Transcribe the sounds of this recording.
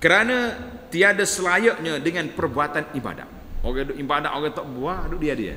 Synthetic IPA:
kəɾanat̪iadasəlajəʔɲadəŋanpərbuat̪aniba̰da̰ʔ | oɡɛdʊʔibada̰ʔoɡɛt̪ɔʔbuadʊʔdiadia̰

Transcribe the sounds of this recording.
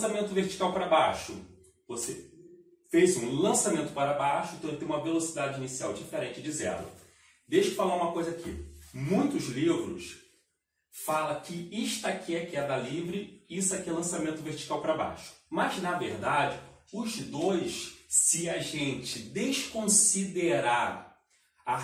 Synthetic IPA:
samẽnt̪ʊveɾt͡ʃi̥kawpaɾɐbajʃʊ̰ | vose | fejsũlɐ̃samẽnt̪ʊ̥paɾɐbajʃʊĩt̪elɪt̪ẽũmɐvelosid̪ad͡ʒɪinisiawd͡ʒifeɾẽnt͡ʃɪd͡ʒizɛ̰lɐ̰ | d̪ejʃʊfalaɾũmɐkojzakḭmũj̃t̪ʊzlivɾʊ̰ʃ | falɐkɪiʃt̪akʰiɛkɛd̪ɐalivɾɪisɛkiɛlɐ̃samẽnt̪ʊveɾt͡ʃi̥kawpaɾɐba̰jʃʊ̥mɐznɐveɾd̪ad͡ʒɪʊzd̪ojʃsɪaʒẽnt͡ʃɪd̪eʃkõsid̪eɾa | a

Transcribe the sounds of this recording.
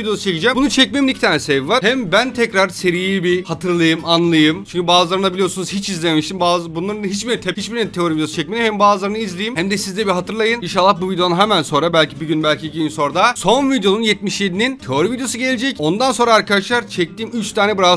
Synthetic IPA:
id̪ejo̞sut͡ʃʰe̞cid͡ʒɛmbunut͡ʃʰɛc̚mejimnicʰit̪ʰaːnɛsɛvvaɾhɛmbænt̪ʰɛcɾaɾse̞ɾijibihat̪ʰɯɾlˠajɯmanlˠɯjɯmt͡ʃyɲcʰybaːzɯlˠaɾɯnabilʲijosunuz̥hit͡ʃizlʲememiʃt̪imbazbunlˠaɾɯnɯɦit͡ʃbiɾt̪ʰɛhit͡ʃbiɾt̪ʰeoɾivid̪josut͡ʃʰɛc̚meimhɛmbaːzlˠaɾɯnɯizlʲejimhæmd̪ɛsizd̪ɛbiɦat̪ʰɯɾlˠajɯninʃ̬alˠːahbuvid̪ejo̞nuɦɛmænso̞nɾabælʲcʰibiɟynbælʲcʰiɟiinso̞ɾd̪aso̞nvid̪ejo̞nunjɛt̪̚miʃjed̪inint̪ʰeoɾivid̪ejo̞suɟe̞lʲed͡ʒɛco̞nd̪anso̞nɾaːɾkad̪aʃlˠaɾt͡ʃʰɛc̚t̪iːmyt͡ʃt̪ʰaːnɛbiɾa

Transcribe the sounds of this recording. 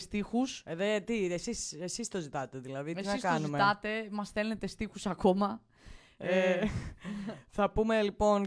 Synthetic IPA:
st̪ixuseðet̪iesisesist̪o̞zit̪ɐt̪e̞ðilɐðit̪esɐiskɐnzuimet̪ɐt̪e̞mɐsθe̞lne̞t̪e̞st̪ixusɐko̞mɐ | e | θɐpume̞lipo̞n

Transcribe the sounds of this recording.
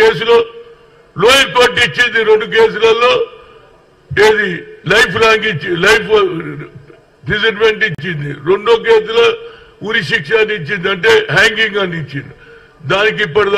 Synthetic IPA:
eːs̬uloː | loːjɐɾkoːɾʈit͡ʃːind̪iɾe̞ɳɖuke̞ːs̬ulɐlːo̞ː | eːd̪ilɐjpʰɾaːŋɡit͡ʃːilɐjpʰ | piziʈme̞ɳʈit͡ʃːind̪iɾe̞ɳɖoːk̬eːsulɐ | uɾiʃikʂaːnit͡ʃːind̪ɐɳʈe̞ːɦaːŋɡiŋɡɐnit͡ʃːind̪i | d̪aːnik̬ipːɐɽɐd̪

